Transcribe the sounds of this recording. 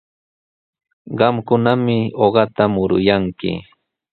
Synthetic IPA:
ɢɑmkʊnamɪoɢɑt̪amʊɾʊ̰jaŋkɪ̰

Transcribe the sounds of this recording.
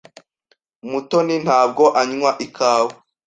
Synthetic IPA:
mutonin̥haːb̚ɡoʔaɲŋwaʔikʰaːwo

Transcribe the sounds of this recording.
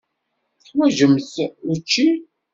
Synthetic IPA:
wæʒəmçət͡ʃːi

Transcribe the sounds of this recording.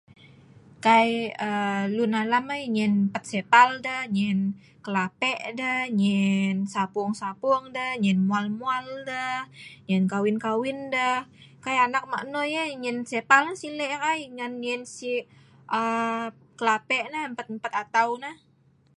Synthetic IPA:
kajəlunalamajɲɛnmpət̪̚sepaldəhɲɛn | kəlapɛʔdəhɲɛnsapʊŋsapuŋdəhɲɛnmualmualdəhɲɛnkawɪnkawɪndəhkajanak̚ma̰ʔnojaɲɛnsepalnasilɛʔkajŋanɲɛnsi | ʔə | kəlapɛʔnaəmpət̪̚əmpət̪at̪awnah

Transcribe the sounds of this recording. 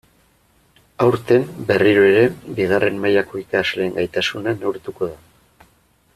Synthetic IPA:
awɾt̪e̞mbe̞riɾoe̞ɾe̞biɣare̞mmajako̞ikazle̞ːŋɡajt̪asunanewɾt̪uko̞ða

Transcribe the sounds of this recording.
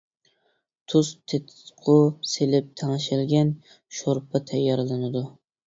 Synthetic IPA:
t̪ʰust̪ʰet̪ʰqʰʊselɪp̚t̪ʰɑŋʃɪlɡʲɛn | ʃoɾpʰɨt̪ʰɛjːɑɾlˠɨnɨd̪u

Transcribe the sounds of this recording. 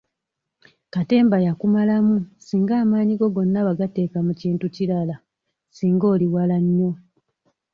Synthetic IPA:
kate̞ːmbajakumalamusiːŋɡaːmaːɲiɡo̞ɡo̞nːaβaɡate̞ːkamuciːntuciɾala | siːŋɡo̞ːliwalaɲːo̞

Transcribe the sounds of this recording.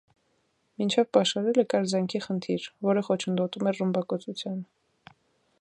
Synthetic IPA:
mint͡ʃʰɛvpɑʃɑɾɛlɛkɑɾzɛŋkʰiχənt̪ʰiɾvɔɾəχɔt͡ʃʰənd̪ɔt̪umɛrəmbɑkɔt͡sut͡sʰjɑn

